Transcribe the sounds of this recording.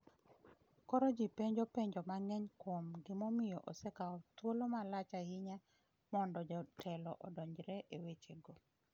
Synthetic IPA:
kɔɾɔd͡ʒipeɲd͡ʒopeɲd͡ʒɔmaŋɛɲkwomɡɪmomɪjoʔosɛkaɔt̪wolomalat͡ʃahɪɲa | mɔndɔd͡ʒɔtʰɛlɔʔɔdɔɲd͡ʒɾɛʔewet͡ʃeɡo

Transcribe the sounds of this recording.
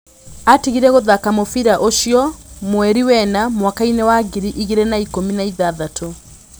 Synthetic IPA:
atiɣiɾɛɣoðakamofiɾaʔoʃijɔmwɛɾiwɛnamwakainɛwaɣiɾiʔiɣiɾɛnaikominaiðaðatʰo

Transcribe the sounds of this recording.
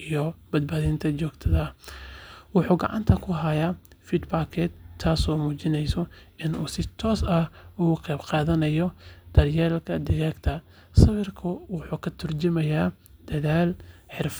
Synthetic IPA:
ʔijɔbɐd̪̚baːðɪnt̪ʰɐt͡ʃɔːɡt̪ʰɐðɐ | wʊħuːɡɑ̰ʕɑ̰nt̪ʰɐkʰʊɦɐjafid̪baːkʰɛːd̪ʰaːsɔːmuːt͡ʃɪnɛjsɔɪnuːsɪt̪ʰɔːsɐhʊɣʊqɛjbqɑːðɐnɐjɔd̪̥ɐrjɛːlkʰɐd̪ɪɣɛːɡt̪ʰɐ | sɐwɪrkʰʊwʊħuːkʰɐt̪ʰʊrd͡ʒɪmɐjaː | d̪̥ɐðaːlħɪrf

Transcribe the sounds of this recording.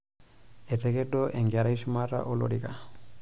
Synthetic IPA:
et̪eɡedoʔeŋɡaɾajsumaɾa̰ʔolo̰ɾiɡa

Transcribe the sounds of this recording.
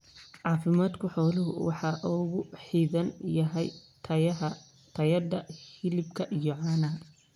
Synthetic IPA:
ʕɑːfɪmaːd̪kʰʊħɔːlɪɦʊ̰wɑħɑʔɔːɣʊħiːðɐnjɐɦɛjtʰɐ | t̪ʰɐjɐd̪ɐhɪlɪbkʰɐʔijɔʕɑːnɐɦɐ

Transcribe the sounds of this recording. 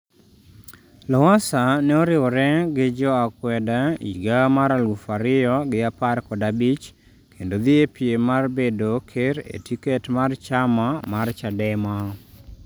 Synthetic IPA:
lɔwasanɛoɾɪɔɾɛɡɪd͡ʒɔakwɛdaḭɡamaɾalɡufaɾɪjɔɡɪaparkɔdabit͡ʃ | kʰendod̪ɪepiemarbedokʰeɾḛtiketmart͡ʃamamart͡ʃadɛma

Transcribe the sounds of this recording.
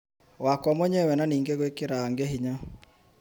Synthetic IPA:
wakwɔmɔɲɛwɛnaniːŋɡeɣwekeɾaːŋɡeɦiɲa

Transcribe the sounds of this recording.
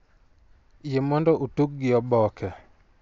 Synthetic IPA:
jemɔndɔʔutuk̚ɡɪjɔbɔkɛ

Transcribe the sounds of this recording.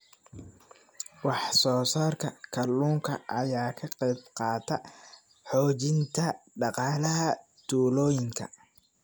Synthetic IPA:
wɑħsɔːsaːrkʰɐkʰɐluːŋkʰɐ̰ʔɐjaːkʰɐqɛjbqɑːt̪ʰɐ | ħɔːt͡ʃɪnt̪ʰɐɖɑqɑːlɐɦɐ | t̪ʰuːlɔːjɪŋkʰɐ̰

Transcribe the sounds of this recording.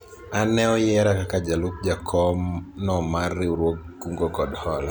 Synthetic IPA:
anɛɔjɛɾakakad͡ʒalup̚d͡ʒakʰɔmnɔmarːɪuɾwoɡːuŋɡɔkɔdhɔl

